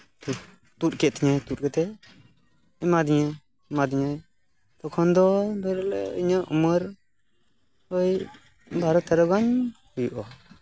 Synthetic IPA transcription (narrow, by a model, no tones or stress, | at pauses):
t̪u | t̪ut̪̚kɛt̪ʰiɲajt̪ut̪̚kɛt̪ɛ | ɛmad̪iɲa | mad̪iɲaj | t̪ɔkʰɔnd̪ɔbɛɾlɛ̰iɲaʔuməɾ | ɔj | baɾɔt̪ʰɛɾɔɡaɲhujuʔɔ